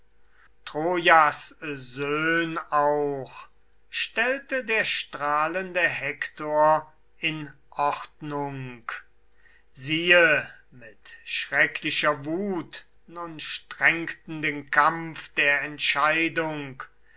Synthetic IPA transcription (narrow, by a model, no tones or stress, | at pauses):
tʁ̥oːjaszøːnaʊx | ʃtɛltədeːɐʃtʁaːləndəhɛktoːɐ | ɪn | ʔɔχtnʊŋk | ziːə | mɪtʃʁɛkʰlɪʃɐvuːt | nʊnʃtʁɛŋktn̩deːnkamfd̥eːɐɛntʃaɪdʊŋk